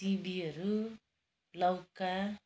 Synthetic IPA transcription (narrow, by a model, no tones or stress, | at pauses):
ibiʌɾu | lʌwka